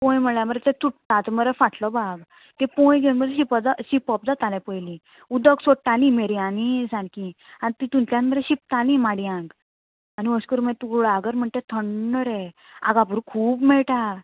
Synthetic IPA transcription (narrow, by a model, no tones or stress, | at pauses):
pɔ̃jməɭjãməɾet̪ɛ̃t͡suʈt̪ãt̪məɾefaʈʰlɔbaɡ | t̪ɛ̃pɔ̃jɡewnməɾɕipɔd͡zaɕipɔp̚d͡zat̪alɛ̃pəjlĩ | ud̪əɡsoʈalĩmeɾianisãnki | anit̪it̪ũntjãnməɾɛɕip̚t̪alĩmaɽiãŋɡ | aniəskuɾmɛ̃t̪uɡɭaɡəɾm̤əɳt̪ẽt̪ʰəɳːəɾɛ | a̰ɡãp̬uɾũkʰuːpmɛɭʈa